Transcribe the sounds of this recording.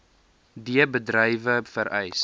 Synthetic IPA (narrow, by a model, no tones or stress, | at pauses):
diəbədrəjvəfəɾʔɛjs